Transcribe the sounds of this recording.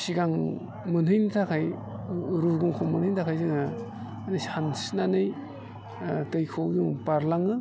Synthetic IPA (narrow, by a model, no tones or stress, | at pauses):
siɡaŋ | mɯnɦɯjntʰakʰaj | ɾuɡuŋkʰɔŋmɯnhɯjntʰakʰajzɯŋa | anashansinanɯj | tɯjkʰojuŋpaɾlaŋɯ